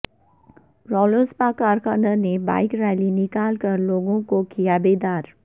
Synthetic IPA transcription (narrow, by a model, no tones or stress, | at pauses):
ɾɔːləɾspaːkaːɾkənəɾneba̰ːɪkɾɛːlinɪkaːlkəɾloːɡõkokijabeːd̪aːɾ